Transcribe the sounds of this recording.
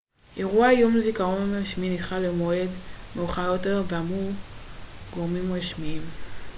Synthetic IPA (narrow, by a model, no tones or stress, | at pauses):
ʔeʁuajumlezikaʁo̞nʁaʃminiχalemoe̞dmeuχajo̞te̞ʁveamu | ɡ̥o̞ʁmimʁaʃmiim